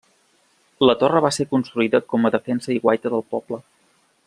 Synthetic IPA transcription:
lət̪orəβasekunst̪ɾuiðəkɔməðəfɛnsəiɣwajt̪əðəlˠpɔb̥lə

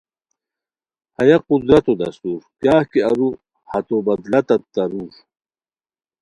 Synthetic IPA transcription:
hɐjɐqud̪ɾɐt̪od̪ɐ̰st̪uːɾkjaːhkeɐɾu | hɐt̪obɐd̪lɐt̪ɐt̪t̪ːɐɾuːɾ

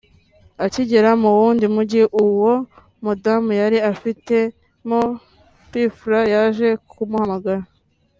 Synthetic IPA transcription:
aciɟeɾamuwuːndimuɟiʔuwo̞ | mudamujaɾiafite̞ | mo | pifɾajaʒe̞kumuhamaɡaɾa

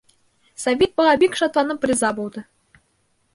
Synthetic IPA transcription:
sɐvʲet̪̚bɤ̆ʁɑbʲikʃɑt̪lˠɑnɤprʲizɑbulˠd̪ɤ

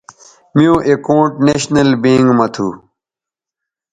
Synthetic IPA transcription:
mijõːʔekõːʈneɕnɐlbiːŋɡmɐt̪ʰṵ

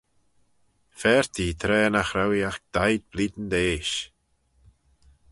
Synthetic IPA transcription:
fɛɹt̪ʰiːt̪ʰɾɛːnaxɾawiaxk̚d̪̥ajd̪̚bliːd̪n̩d̪eːʃ

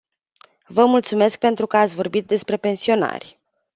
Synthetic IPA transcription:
vəmult̪sume̞sk̚pe̞nt̪ɾukəat̪sʲvo̞rbit̪̚d̪e̞spɾe̞pe̞nsio̞na̰rʲ

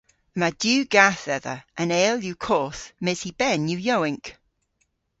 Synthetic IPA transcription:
madjʉːɡaθɛðə̰ʔə̃nɛːljukʰɔˑθmɛzib̥ɛnjʉjowɪ̃ŋk

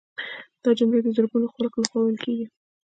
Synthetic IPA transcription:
d̪̥ɑd͡ʒamɽed̪əzaɾɡunoxalɑklaxwɑwəlkeɡi

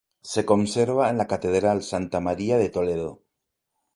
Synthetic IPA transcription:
se̞ko̞nseɾβaenlakat̪eðɾalsant̪amaɾiað̞et̪oleð̞o

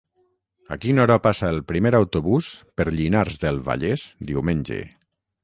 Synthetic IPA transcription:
a̰kinɔɾapasaelˠpɾimeɾawt̪oβuspəɾʎinaɾzðelˠβa̰ʎezd̪iwmenʲd͡ʒḛ

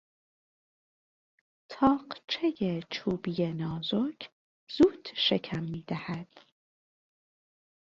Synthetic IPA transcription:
t̪ʰɒːɢt͡ʃʰejet͡ʃʰuːbijenɒːzocʰ | z̥uːd̪̥ʃe̞kʰæmːiːd̪̥æhæd̪̥

